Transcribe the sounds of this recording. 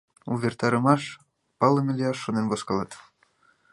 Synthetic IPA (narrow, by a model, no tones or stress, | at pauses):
uβert̪ɑɾɤ̆mɑʃ | pɑlə̆mʲelʲeɑʃːonenβoskɑlɑt̪